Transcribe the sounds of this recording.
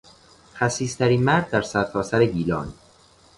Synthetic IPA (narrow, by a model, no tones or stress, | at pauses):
χæsiːst̪ʰæɾiːnmæɾd̪ːæɾsæɾt̪ʰɒːsæɾeɡiːlɒ̰ːn